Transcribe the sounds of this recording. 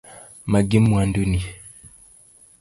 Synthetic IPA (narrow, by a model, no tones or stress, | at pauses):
maɡimwanduni